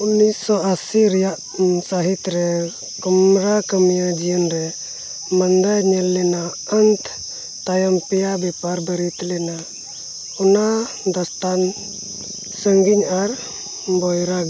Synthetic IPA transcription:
unisɔasiɾjaʔ | saɦit̪ɾɛ | kɔmɾakəmijad͡ʒijənɾɛ | mand̪ajɲɛlːɛna | ənt̪ | t̪ajɔmpɛjabɛpaɾbəɾit̪lɛna | ɔna | d̪ɔst̪an | səŋɡiɲaɾ | bɔjɾaɡ

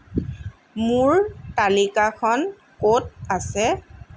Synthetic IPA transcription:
mʊɹtalikakʰɔn | kot̚asɛ

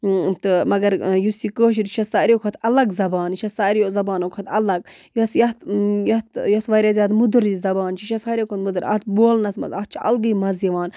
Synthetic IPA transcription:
t̪ɨmɐɡɐɾjusikoːʃ̬iɾʃɐsaːɾʲiokʰɐt̪ʰɐlɐɡzɐbaːnʃɐsaːɾijozɐbaːnokʰɐt̪ɐlɐɡ̚josjɐt̪jɐt̪jɐsʋɐɾʲɐzʲjaːt̪mud̪ɨɾizɐbaːnt͡ʃʰiʃɐsaːɾʲjekʰot̪mud̪ɨɾɐ̰t̪̚boːlnɐsmɐ̰zɐt̪̚t͡ʃʰiʔɐ̰lɡɨjmɐzjɐʋaːn

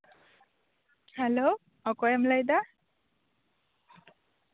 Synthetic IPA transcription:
hɛlo | ɔkɔjamlajd̪a

